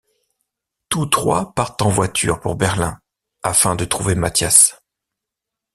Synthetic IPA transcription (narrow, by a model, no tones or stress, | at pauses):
t̪ut̪χwa̰paʁt̪ɑ̃vwat̪ʰy̰ʁpuʁbɛʁlɛ̃ | afɛ̃d̪ət̪χuvemat̪jas